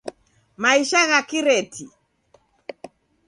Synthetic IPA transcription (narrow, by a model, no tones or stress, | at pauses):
maiʃaɣakiɾɛtʰi